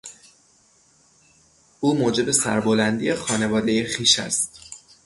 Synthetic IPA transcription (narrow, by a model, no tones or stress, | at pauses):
ʔuːmoːd͡ʒe̞be̞sæ̰ɾbolænd̪ḭjexɒːne̞vɒːd̪e̞jexiːʃæ̰st̪